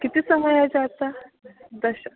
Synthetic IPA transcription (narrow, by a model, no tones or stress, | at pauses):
kit̪iːsəməjad͡ʑat̪ad̪əɕa